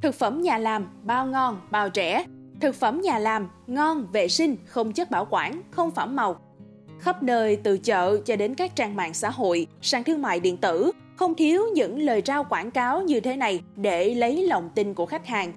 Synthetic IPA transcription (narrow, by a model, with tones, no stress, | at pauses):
t̪ʰɨ˨˩k̚fə˧˩mɲaː˨˩laː˨˩mɓaː˧˩wŋɔ˧nɓaː˨˩wt͡ɕɛ̰˧˩˥t̪ʰɨ˨˩k̚fə˧˩mɲaː˨˩laː˨˩m | ŋɔ˧nvḛ˧˨sï˧ŋ̟xə˧wŋ͡mt͡ɕə˦˥t̚ɓaː˧˩wkwaː˧˩nxə˧wŋ͡mfaː˧˩mːa˨˩w | xə˦˥p̚nəː˧jt̪ɨ̰˧˨t͡ɕə̰ː˧˨t͡ɕɔ˧ɗe˨˦nkaː˦˥k̚t͡ɕaː˧ŋma̰ː˧˨ŋsa̰ː˧˥ɦo̰˧˨jsaː˧ŋt̪ʰɨ˧əŋma̰ː˧˨jɗḭ˧˨ənt̪ɨ˧˩ | xə˧wŋ͡mt̪ʰi˨˦əwɲɨ̰˧˥ŋləː˨˩jt͡ɕaː˧wkwaː˧˩nkaː˨˦wɲɨ˧t̪ʰe˨˦na˨˩jɗe˧˩lə˨˦jlə̰˧˨wŋ͡mt̪i˧nŋku˧˩əxa˦˥jk̟̚haː˨˩ŋ